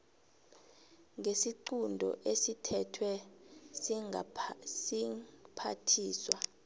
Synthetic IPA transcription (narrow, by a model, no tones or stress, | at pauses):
ŋɡesiǃundʱɔ̰ʔesitʰɛtʰwɛ | sipʰa̰tʰiːswa